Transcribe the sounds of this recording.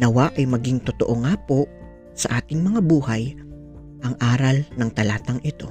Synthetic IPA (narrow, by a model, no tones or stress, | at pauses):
nɐwaʔɐjmɐɡiŋt̪ot̪oʔoŋaːpo̞ʔ | sɐʔaːt̪ɪŋmɐŋabuːhɐj | ʔɐŋʔaːɾɐlnɐŋt̪ɐlaːt̪ɐŋɪt̪o̞̰